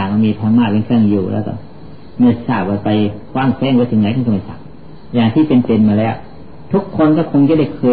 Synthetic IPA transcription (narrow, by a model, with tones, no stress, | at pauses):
a˨˩ma˧miː˧t̪ʰa˧ŋmaː˧˩pe˧nkʰɯ˥˩ŋjuː˨˩lɛ̰ː˦˧˩kɔ̰˧˩ | ma˧˩sa˧˩p̚waː˧˩pa˧jkʰwaː˧˥˩ŋkʰɛː˧˥˩ŋwaː˧˥˨t̪ʰi˧˦ŋɲa˨˦kʰa˧˨kma˧˩sa̰˨˩k̚ | jaː˨˩ŋt̪ʰiː˥˩pe˧npe˧nmaː˧lɛː˦˥˩ | t̪ʰu˦˥kʰːo˧nkɔː˧˥˩kʰo˧ŋt͡ɕa˧˩˦da˥˩jkʰɤː˧